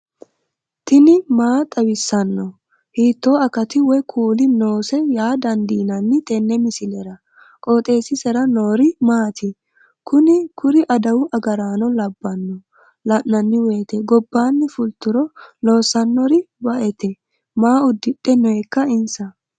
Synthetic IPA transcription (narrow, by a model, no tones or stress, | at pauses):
t̪ɪnɪmaːt̪ʼɐwɪsːɐnːɔ | hiːt̪ːo̞ːɐkɐt̪ɪwɔkʰuːlɪno̞ːsɛjaːd̪ɐnd̪iːnɐnːɪt̪ʼɛnːɛmɪsɪlɛɾɐ | kʼo̞ːt̪ʼe̞ːsɪsɛɾɐno̞ːɾɪmaːt̪ʰɪ | kʊnɪkʊɾɪʔɐd̪ɐwʊʔɐɡɐɾaːnɔlɐbːɐnːɔ | lɐʔːɐnːɪweːt̪ɛɡɔbːaːnːɪfʊlt̪ːʊɾɔloːsɐnːɔɾɪ | bɐʔɛt̪ɛ | maːʊd̪ːɪɗːɛnɔɛkːɐɪnsɐ